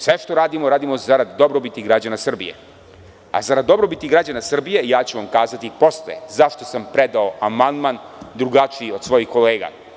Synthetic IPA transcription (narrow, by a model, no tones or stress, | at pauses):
sʋeʃt̪o̞ɾaːd̪imoɾaːd̪imo̞zaɾad̪ːobɾobit̪iɡɾad͡ʑanasr̩bḭjḛ | a̰zaɾad̪d̪ːo̞bɾobit̪iɡɾad͡ʑanasr̩bije̞ijaːt͡ɕuʋamkaːzat̪ipo̞slḛzaʃt̪o̞sampɾed̪aoamand̪man | d̪ɾuɡat͡ʂiio̞d̪sʋo̞jixko̞leːɡa̰